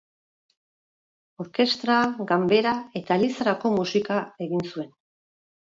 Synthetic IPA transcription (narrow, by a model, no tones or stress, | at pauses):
o̞ɾke̞st̪ɾaɡambe̞ɾae̞t̪aelisaɾako̞musikae̞ɣinsue̞n